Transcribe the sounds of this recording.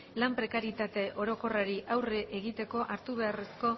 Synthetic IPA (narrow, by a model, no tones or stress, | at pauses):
lampɾe̞kaɾit̪at̪e̞ʔo̞ɾo̞ko̞raɾiʔawreʔeɣit̪e̞ko̞ʔaɾt̪uβe̞are̞sko̞